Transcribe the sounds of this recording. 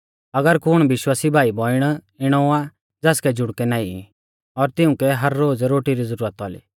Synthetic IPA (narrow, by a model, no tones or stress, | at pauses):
ɐɡəɾkʊɽ̃ʋɪʃwaːsibʱaːibɔːɪɽ̃ | ɪɽ̃ɔa | d͡zɛːskɛd͡ʒʊɽkɛnaːi | ɔɾt̪ɪʊ̃kɛɦɐɾːoːd͡zɾoːʈiɾizəɾuːɾət̪ɔlḭ